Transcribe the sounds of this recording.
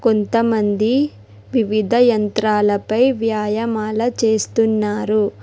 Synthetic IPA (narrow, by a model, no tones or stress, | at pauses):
ko̞nt̪ɐmɐnd̪i | ʋiʋid̪ʱɐjɐnt̪ɾaːlɐpɐjʋjaːjɐmaːlɐt͡ʃe̞ːst̪unːaːɾu